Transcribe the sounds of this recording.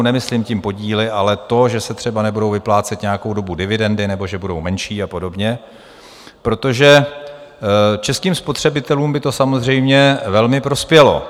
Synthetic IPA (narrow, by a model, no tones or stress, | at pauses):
nɛmɪslɪmcɪmpo̞ɟiːlɪʔalɛt̪o̞ʒɛsɛt̪r̝̥ɛbanɛbudo̞wvɪplaːt͡sɛt̪ɲɛjako̞wdo̞budɪvɪdɛndɪnɛbo̞ʒɛbudo̞wmɛnʃiːapo̞do̞bɲɛ | pɾo̞t̪o̞ʒɛ | t͡ʃɛskiːmspo̞t̪r̝̥ɛbɪt̪ɛluːmbɪt̪o̞samo̞zr̝ɛjmɲɛvɛlmɪpɾo̞spjɛlo̞̰